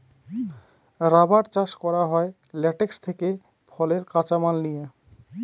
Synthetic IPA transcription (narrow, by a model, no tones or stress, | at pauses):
ɾabaɾt͡ɕaʃkɔɾaɦɔe | lɛʈekst̪ʰeke | fʰɔleɾkat͡ɕamalnije